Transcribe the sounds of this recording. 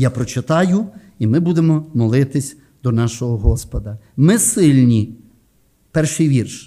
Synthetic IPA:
japɾɔt͡ʃɪt̪ɑjʊ | imɪbud̪emɔmɔlˠɪt̪ɪsʲ | d̪ɔnɑʃɔɦɔɦɔspɔd̪ɐ | mɪsɪlʲnʲi | pɛrʃɪjʋʲirʃ

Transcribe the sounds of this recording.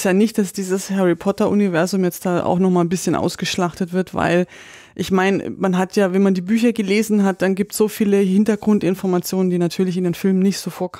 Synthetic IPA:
sjaːnɪçt̚d̥asd̥iːzəshɛʁipʰɔtɐʔunivɛɐzʊmjɛt͡std̥aːʔa̰ʊxnɔχmaːlnbɪsçənʔa̰ʊsɡ̥əʃlaχtətv̥ɪɐtv̥a̰ɪl | ʔɪçmaɪnmanɦatʰjaːvɛnmandiːbyːçɐɡəleːzn̩ɦat̚d̥anɡiːp̚tsz̥oːfiːləhɪntɐɡʁʊntɪnfɔɐmat͡sjoːnəndiːnatʰyːɐlɪç̬ɪndeːnfɪlmənɪçtz̥oːfoːɐkʰ

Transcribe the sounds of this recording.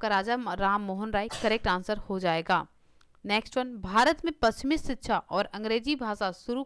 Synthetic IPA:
kaɾaːd͡ʒaɾaːmːoːɦənɾaːikɐɾek̚ʈãːnsəɾhod͡ʒaːeːɡa̰ː | nɛːksʈʋənbʱaːɾət̪mẽpɾɐst͡ʃɪmɪsɪt̪ːʃʰaʔɔːɾɐ̃ŋɡɾeːd͡ʒibʱaːʃasʊɾu

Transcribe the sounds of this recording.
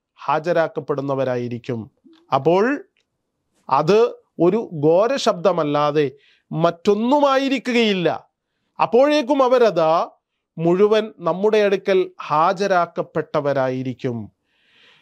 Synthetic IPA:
haːd͡ʑɐɾaːkːɐpːe̞ɽunːɐʋɐɾaːjiɾikʲːum | ɐpːo̞ːɭ | ɐ̰ðɨ | o̞ɾuɡo̞ːɾɐɕɐb̚d̪ʱɐmɐlːaːðe̞ | mɐtːo̞nːumaːjiɾikʲːuɣɐjilːɐ̰ | ɐpːo̞ːɻeːk̬ːumɐʋɐɾɐðaː | muɻuʋɐnnɐmːuɽe̞ɐɽukʲːɐlhaːd͡ʑɐɾaːkːɐpːe̞ʈːɐʋɐɾaːjiɾikʲːum

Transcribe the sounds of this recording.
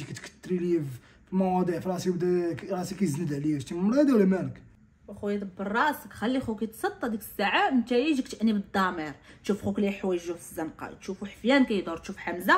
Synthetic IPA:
ikæt̪kə̥t̪ːɾiliv | filmɑwɑd̪ˤiʕfɾˤɑsibd̪æɾˤɑsikæjznəd̪ʕliæʃt̪immlæd̪iwlæmænək | wæxujt̪ˤbːərˤːɑʔsəkxælːixukæt̪sˤɑd̪ˤːɑd̪ikə̥sːaʕamənt̪æjiʒikt̪ʔnibəd̪ˤːɑməɾt̪ʃufxukliħwæjʒufəzːənqɑ̰t̪ʃufuħəfjænkæjəd̪ˤʊɾt̪ʃufħamza

